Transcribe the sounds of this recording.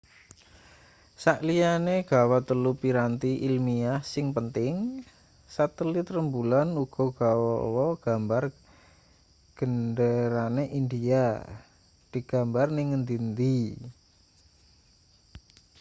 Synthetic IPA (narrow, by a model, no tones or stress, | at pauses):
saʔlianeɡ̥a̤wat̪əlupiɾant̪iʔilmiahsɪŋpənt̪ɪŋ | sat̪əlit̪rəmbulanuɡ̥ɔ̤ɡ̥awɔwɔɡ̥a̤mbar | ɡ̥ənɖəɾaneʔindia | d̪̥i̤ɡ̥a̤mbarnɪŋənd̪int̪i